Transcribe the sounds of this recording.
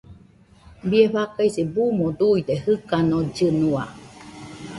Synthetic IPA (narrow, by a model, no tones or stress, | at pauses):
bieɸakajsibumod̪uid̪ehɨkanod͡ʒɨnua̰